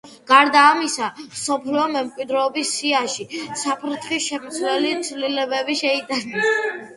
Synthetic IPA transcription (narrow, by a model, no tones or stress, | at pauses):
ɡ̥aɾd̪aːmisamsɔpʰliɔmɛmkʼwid̪ɾɔːbisːiaʃisapʰɾt̪ʰχisʃɛmt̪swɛlit̪sʰvlilɛbɛbiʃɛid̪anɛs